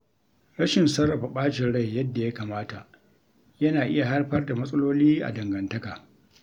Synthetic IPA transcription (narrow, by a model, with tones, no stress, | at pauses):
ɾɐ˦ʃɪ˨nsɐ˦rːɐ˨ɸa˨ɓaː˦ʃɪ˨nɽa˦˨jːɐ˦dːa˨ja˦kaː˨maː˦ta˨ʔ | jɐ˦naː˨ʔɪ˦ja˨ha˦rɸɐ˦rda˨mɐ˦sʼɐ˦loː˦liː˦ʔa̰˨dɐ˨ŋɡɐ˨ntɐ˦kaː˨